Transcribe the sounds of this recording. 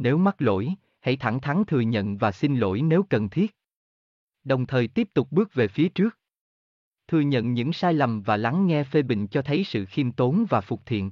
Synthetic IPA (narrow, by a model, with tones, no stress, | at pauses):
ne˨˦wma˦˥t̚lo̰˧˥˨j | ha̰˧˥˩jt̪ʰa˧˩ŋt̪ʰa˨˦ŋt̪ʰɨ˨˩əɲə̰˧˨nvaː˨˩sï˧nlo̰˧˥jne˨˦wkə˨˩nt̪ʰi˦˥ət̚ | ɗə˨˩wŋ͡mt̪ʰəː˨˩jt̪i˦˥əp̚t̪ʊ˨˩k͡p̚ɓɨ˦˥ək̚ve˨˩fi˨˦ət͡ɕɨ˦˥ək̚ | t̪ʰɨ˨˩əɲə̰˧˨nɲɨ̰˧˥ŋsaː˧jla˨˩mvaː˨˩la˨˦ŋːɛ˧fe˧ɓḭ̈˧˨ŋ̟t͡ɕɔ˧t̪ʰə˨˦jsɨ̰˧˨xi˧mt̪o˨˦nvaː˨˩fʊ˨˩k͡p̚t̪ʰḭ˧˨ən